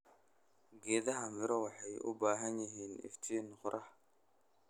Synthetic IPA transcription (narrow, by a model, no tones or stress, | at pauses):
ɡɛːðɐɦɐmɪɾɔwɑħɑjʔʊ̰baːɦɐnjɪɦiːnɪ̰ft̪ʰiːnqʊɾʔɐh